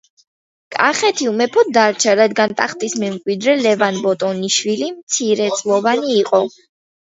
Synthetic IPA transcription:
kʼaχɛt̪ʰiumɛpʰɔd̪aɾt͡ʃʰaɾad̪ɡant̪ʼaχt̪ʼismɛmkʼwid̪ɾɛlɛvanbɔt̪ʼɔniʃwilimt̪sʰiɾɛt̪sʼlˠɔvaniːqʼɔ

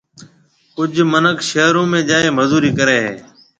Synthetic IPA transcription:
kʊd͡ʒʱmənəkʃeːɾõːmẽːd͡ʒaːeːməzuːɾiːkəɾeːɦḛː

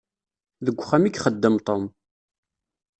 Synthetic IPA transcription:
ðəɡʷːχæmikχəd̪ːəmt̪ˤom

